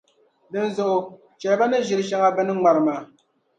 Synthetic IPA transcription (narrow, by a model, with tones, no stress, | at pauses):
dɨ˦n̩zʊ˨ʔʊ˦ | t͡ʃɛ˨lba˦nɨ˦ʒɪ˨ɾɨ˦ʃa˦ŋa˦bɛ˦nɨ˦ŋ͡ma˨ɾɨ˨maː˨